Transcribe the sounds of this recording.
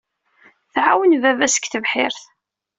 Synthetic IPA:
θʕawənvævæsə̥kːθəvħɪɾθ

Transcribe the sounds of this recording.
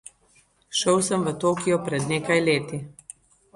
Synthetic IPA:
ʃəwsəmʋət̪oːkijɔpɾɛd̪neːkajleːt̪i

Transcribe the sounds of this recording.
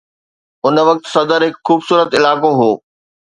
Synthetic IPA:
ʊnʋɐk̚t̪sɐd̪əɾɦɪkxuːbsuːɾət̪ɪlaːkoɦoː

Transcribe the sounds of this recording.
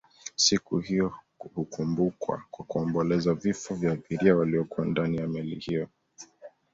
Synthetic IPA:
sikuhijɔ | hukʰumbukwa̰kwakuɔmbɔlɛzavifɔvjaːθiɾiawaliɔkuandanijamɛlḭhijɔ

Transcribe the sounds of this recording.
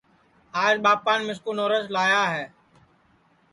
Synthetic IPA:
aːd͡ʒɓaːp̚kaːnmɪskoːnoːɾəslaːjaːɦɛː

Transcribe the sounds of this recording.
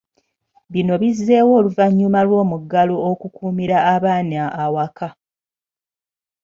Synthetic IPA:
βino̞βizːe̞ːwo̞ːluvaɲːumalwo̞ːmuɡalookukuːmiɾaːβaːnaːwaka

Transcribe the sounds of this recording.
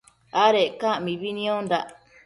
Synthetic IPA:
aɾekãʔmĩβinĩõnd̪aʔ

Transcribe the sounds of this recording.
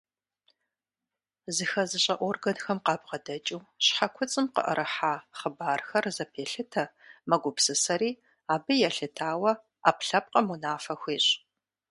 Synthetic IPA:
zɨxɐzɨɕʼɐʔʷɔrɡɐnxɐmqɑːbʁɐdɐt͡ʃʼuːɕħakʷʰʊt͡sʼɨmqə̰ʔə̰ɾʔɨħaːχəbaːrxɐrzɐpʰeːɬɨtʰɐmɐɡʷʊpsɨsɐɾiː | aːbɨjɛɬɨtʰaːwɐ | a̰ːpɬɐp̚qʼɐmunaːfɐxʷeːɕ

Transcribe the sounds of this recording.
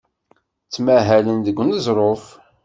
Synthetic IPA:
t͡sːmæɦælənd̪əɡʷːnəzˤɾˤof

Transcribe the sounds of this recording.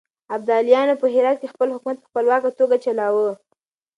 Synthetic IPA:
ab̚d̪ɑlijɑnopəɦɪɾɑt̪̚kexpəlhʊkmat̪̚pə̥xpəlwɑkat̪oɡat͡ʃalɑwə

